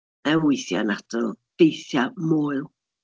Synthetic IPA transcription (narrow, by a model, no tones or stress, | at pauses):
ɛwɪjθja̰natɔd̥ejθjamoːɨlˠ